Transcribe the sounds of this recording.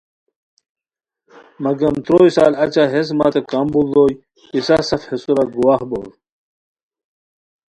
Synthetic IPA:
mɐɡɐmt̪ɾoːjsa̰ːlɐt͡ɕaɦes̬ma̰ːt̪ekambud̪oːj | isasɐfhesuɾɐɡuwaːhbo̰ːɾ

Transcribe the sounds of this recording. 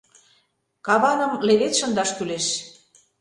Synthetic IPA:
kɑβɑnə̆mleβet̪ʃə̆nd̪ɑʃt̪yleʃ

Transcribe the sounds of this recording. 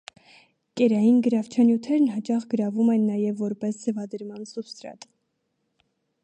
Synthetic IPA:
kɛɾɑjinɡəɾɑvt͡ʃʰɑnjut̪ʰɛɾnɦɑt͡ʃɑχɡəɾɑvumɛnːɑjɛvːɔɾpɛsd͡zɛvɑd̪əɾmɑnsupst̪ɾɑ̰t̪

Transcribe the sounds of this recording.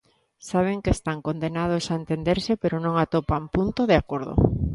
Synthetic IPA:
saβ̞eŋkest̪aŋkond̪enað̞osaent̪end̪eɾsɪpeɾonõŋat̪opampunt̪oðeakoɾðo̰

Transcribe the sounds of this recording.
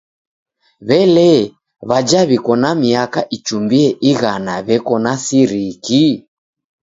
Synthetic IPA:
βɛlɛ | βad͡ʒaβikɔnamiakaʔit͡ʃumbiɛʔiɣanaβɛkɔnasiɾiki

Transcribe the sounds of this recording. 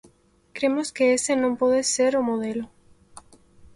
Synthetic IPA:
kɾemoskeesenõmpoðeseɾomoð̞elo

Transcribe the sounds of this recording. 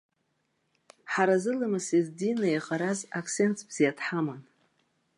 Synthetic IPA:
ħaɾazɨlamɨsizdinajaqʼaɾazakʰse̞ntʰb̥z̥ijadʰħaman

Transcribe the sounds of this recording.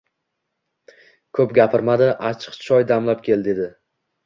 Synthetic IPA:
kʰɵpɡʲapʰɪɾmad̪ɪʔat͡ʃʰɨ̥qt͡ʃʰɒjd̪amlap̚kʲʰe̞ld̪e̞d̪ɪ

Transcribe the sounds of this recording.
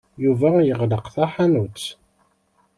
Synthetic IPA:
juvæjəʁləqθaħanut͡sː

